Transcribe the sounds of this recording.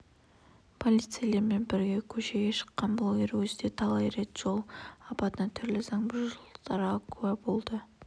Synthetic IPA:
pʰo̞lˠijt̪sɨijalˠeɾme̞nbɪɾɡʲe̞kʲʰɵʃe̞ɡʲe̞ʃə̥qːɑnblˠoɡʲe̞ɾwɵzɪd̪e̞t̪ʰɑlˠɑjɾe̞t̪ʒ̥o̞lˠɑpɑt̪ənɑt̪ʰʏɾlɪzɑŋbɪɾʒəlˠd̪̥ɑɾʁɑkʰuɑbo̞lˠd̪ə

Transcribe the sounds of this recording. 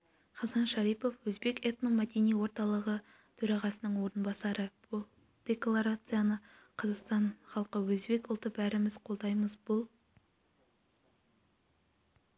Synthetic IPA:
χɑzɑnʃɑɾijpo̞fwɵzbe̞ket̪nomæd̪e̞nijwo̞ɾt̪ɑlˠəʁə | t̪ʰɵɾɑʁɑsənəɴwo̞ɾənbɑsɑɾəb | d̪̥ʲe̞klˠaɾat̪sɨjanəqʰɑzɑqst̪ɑnχɑlˠqəwɵzbe̞kʊlˠt̪əbæɾɪmɪzqʰo̞lˠd̪ɑjməzbʊlˠ

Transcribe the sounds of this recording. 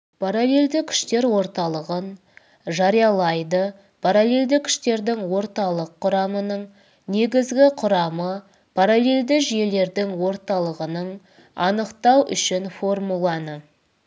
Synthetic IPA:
pʰaɾale̞lʲd̪ɪkʲʰʏ̥ʃt̪e̞ɾwo̞ɾt̪ɑlˠəʁən | ʒɑɾijɑlˠɑjd̪ə | pʰaɾalʲe̞lʲd̪ɪkʲʰʏ̥ʃt̪e̞ɾd̪ɪŋwo̞ɾt̪ɑlˠəqʰːʊɾɑmənəɴ | ne̞ɡʲɪzɡʲɪqʰʊɾɑmə | pʰaɾalʲe̞ld̪ɪʒije̞le̞ɾd̪ɪŋwo̞ɾt̪ɑlˠəʁənəɴ | ɑ̰nəqt̪ɑwʔʏ̰ʃɪnfo̞rmulˠɑnə

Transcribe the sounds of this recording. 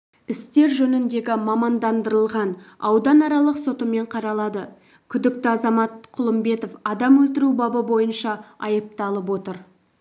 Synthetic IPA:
ɪst̪e̞ɾʒɵnɪnd̪e̞ɡʲɪmɑmɑnd̪ɑnd̪əɾəlˠʁɑnɑwd̪ɑnɑɾɑlˠəqso̞t̪əme̞ɴqʰɑɾɑlˠɑd̪ə | kʲʰʏd̪ɪk̚t̪ɪɑzɑmɑt̪̚qʰʊlˠəmbe̞t̪o̞fɑd̪ɑmwɵlt̪ɪɾubɑbəbo̞jənʃɑɑjəp̚t̪ɑlˠəp̬wo̞t̪əɾ

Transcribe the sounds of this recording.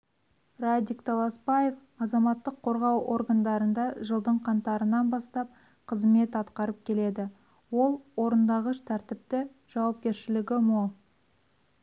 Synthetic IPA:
rad̪ikt̪ʰɑlˠɑspɑje̞f | ɑzɑmɑt̪ːəqʰːo̞ɾʁɑwʔo̞̰ɾɡand̪ɑɾənd̪ɑʒəlˠd̪əɴqʰɑnt̪ɑɾənɑnbɑst̪ɑp̚ | qʰəzme̞t̪ɑt̪qɑɾəp̚kʲʰe̞le̞d̪ɪ | wo̞lˠwo̞ɾənd̪ɑʁəʃt̪ʰæɾt̪ɪp̚t̪ɪ | ʒ̥ɑwɑp̚kʲe̞ɾʃɪlɪɡʲɪmolˠ

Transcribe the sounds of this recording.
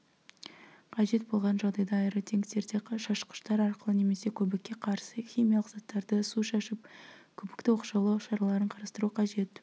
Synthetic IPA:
qʰɑʒe̞t̪̚bo̞lˠʁɑnʒɑʁd̪ɑjd̪ɑːjɾət̪ʰe̞ŋɡt̪e̞ɾd̪eʃɑʃqə̥ʃt̪ɑɾɑɾqəlˠəne̞me̞se̞kʲʰɵbɪkʲːe̞qʰɑɾsəxʲijmʲijɑlˠəqz̥ɑt̪ːɑɾd̪əsuʃɑʃɪp̚kʲʰɵbɪkt̪ɪwo̞quʃɑlˠɑʃɑɾɑlˠɑɾəɴqʰɑɾɑst̪əɾuqʰɑʒe̞t̪

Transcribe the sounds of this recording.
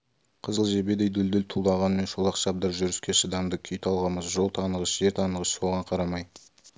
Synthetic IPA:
qʰəzəlˠʒe̞bed̪ejd̪ʏld̪ɪlt̪ʰulˠd̪ɑʁɑnme̞nʃolˠɑqʃɑp̚d̪ɑɾʒʏɾɪskʲeʃəd̪ɑmd̪əkʲʰʏjt̪ʰɑlˠʁɑməzʒo̞lˠt̪ʰɑnəʁəʃʒe̞ɾt̪ʰɑnəʁəʃso̞ʁɑɴqʰɑɾɑmɑj

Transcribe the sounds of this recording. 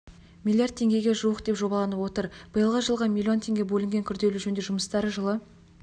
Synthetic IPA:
mʲilʲˠːijard̪̚tʰe̞ŋɡʲe̞ɡʲe̞ʒuəqd̪e̞pʒo̞bɑlˠɑnəpwo̞t̪əɾb̥əjəlˠʁɑʒəlˠʁɑmʲilʲːio̞nt̪ʰe̞ŋɡʲe̞bɵlɪŋɡʲe̞ŋkʲʰʏɾd̪e̞lɪʒɵnd̪e̞ʒʊməst̪ɑɾəʒəlˠə

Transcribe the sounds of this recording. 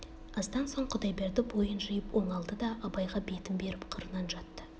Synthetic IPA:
ɑzd̪ɑnso̞ɴqʰʊd̪ɑjbeɾd̪ɪbo̞jənʒijəpwo̞ɴɑlˠd̪əd̪ɑʔɑbɑjʁɑbe̞t̪ɪmbe̞ɾɪpqʰəɾənɑnʒɑt̪ːə

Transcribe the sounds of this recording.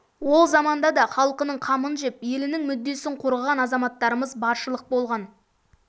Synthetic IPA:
wo̞lˠzɑmɑnd̪ɑd̪ɑχɑlˠəqənəɴqʰɑmənʒe̞pje̞lɪnɪŋmʏd̪ːe̞sɪɴqʰoɾəʁɑnɑzɑmɑt̪ːɑɾəməzbɑɾʃəlˠəq̚bo̞lˠʁɑn

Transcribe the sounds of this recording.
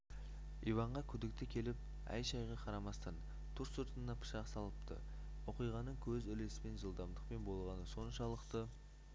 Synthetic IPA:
ivɑɴʁɑkʲʰʏd̪ɪk̚t̪ɪkʲʰe̞lɪp̚ | æ̰jʃɑjʁɑqʰɑɾɑmɑst̪ɑn | t̪ʰʊɾsʊɾt̪ənːɑpʰə̥ʃɑqsɑlˠəpt̪ə̰wo̞qijʁɑnəɴkʲʰɵzɪle̞sɪme̞nʒəlˠd̪ɑmd̪əqpe̞nbo̞lˠʁɑnəso̞nʃɑlˠəqt̪ə

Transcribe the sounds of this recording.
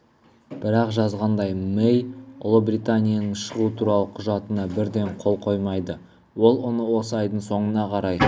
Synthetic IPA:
b̥ɪɾɑqʒɑzʁɑnd̪ɑjmejʊlˠəbɾʲit̪anʲijanəɴʃəʁut̪ʰuɾɑlˠəqʰʊʒɑt̪ənɑbɪɾd̪e̞ɴqʰo̞lˠqʰo̞jmɑjd̪ə | wo̞lˠwonəwo̞səɑjd̪əɴso̞ɴənɑqʰɑɾɑj

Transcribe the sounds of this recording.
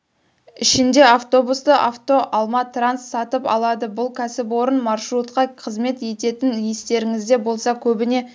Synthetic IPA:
ɪʃɪnd̪e̞aft̪o̞bust̪əʔaft̪o̞ʔɑlˠmɑt̪ransːɑt̪əpɑ̰lˠɑd̪əbʊlˠkʲʰæsɪpwo̞ɾənmɑrʃɾut̪qɑqʰəzme̞t̪e̞t̪e̞t̪ɪnje̞st̪e̞ɾɪŋɪzd̪e̞bo̞lˠsɑkʲʰɵbɪne̞

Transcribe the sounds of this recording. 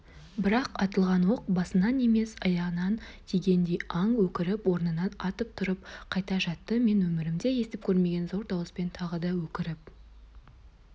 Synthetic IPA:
bɪɾɑqɑt̪əlˠʁɑnwoq̚bɑsənɑne̞me̞sɑjɑʁənɑnt̪ʰejɡʲe̞nd̪ejɑɴwɵkʲɪɾɪpwo̞ɾnənɑnɑt̪əp̚t̪ʰʊɾəp̚qʰɑjt̪ɑʒɑt̪ːəme̞nwɵmɪɾɪmd̪e̞je̞st̪ɪp̚kʲʰɵɾme̞ɡʲe̞nzo̞ɾd̪ɑwəspe̞nt̪ʰɑʁəd̪ɑwɵkʲɪɾɪp

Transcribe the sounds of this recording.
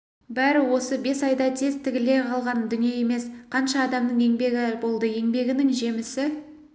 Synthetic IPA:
bæɾɪwo̞səbe̞sɑjd̪ɑt̪ʰe̞zt̪ʰɪɡʲɪle̞jqʰɑlˠʁɑnd̪ʏnije̞je̞me̞sqʰɑnʃɑːd̪ɑmnəɴe̞ŋbe̞ɡʲɪbo̞lˠd̪əe̞ŋbe̞ɡʲɪnɪŋʒe̞mɪsɪ

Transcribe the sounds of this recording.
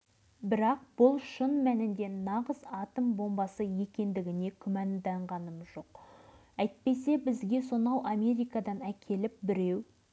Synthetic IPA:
bɪɾɑq̚b̥ʊlˠʃənmænɪnd̪e̞nɑʁəzɑt̪əmbo̞mbɑsəje̞kʲe̞nd̪ɪɡʲɪne̞kʲʰʏmænd̪ɑɴʁɑnəmzʒo̞q | æjt̪̚pe̞se̞bɪzɡʲe̞so̞nɑwɑmʲe̞ɾijkɑd̪ɑnækʲʰe̞lɪp̚bɪɾe̞w

